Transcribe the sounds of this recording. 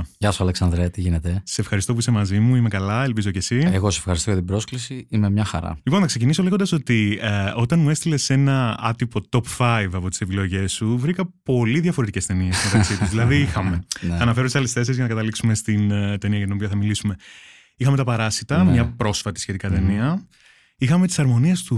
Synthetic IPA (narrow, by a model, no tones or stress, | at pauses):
ʝɐsoɐleksɐnd̪ɾet̪iʝinet̪eseefxɐɾist̪op̬uisemɐzimuime̞kɐlɐelp̬izo̞ce̞sieɣoseefxɐɾist̪ojɐt̪ibɾo̞sklisiimemɲɐxɐ̰ɾɐ̰liponθɐkse̞c̬iniso̞leɣod̪ɐso̞t̪io̞t̪ɐnmue̞st̪ile̞se̞nɐɐt̪ipo̞t̪o̞pfɐjvɐpo̞t̪i̥se̞pilo̞ʝe̞suvɾikɐpo̞liðʝɐfoɾet̪ice̞st̪e̞niezmet̪ɐkksit̪uzðilɐðiixɐme̞ɐnɐfe̞ɾot̪isɐlesθe̞s̬izʝɐnɐkɐt̪ɐliksume̞st̪int̪e̞niɐjɐt̪ino̞piɐθɐmilisume̞ | ixɐme̞t̪ɐpɐɾɐsit̪ɐmɲɐpɾo̞sfɐt̪i̥sçe̞t̪ikɐt̪e̞niɐ | ixɐme̞t̪i̥sɐɾmo̞niest̪u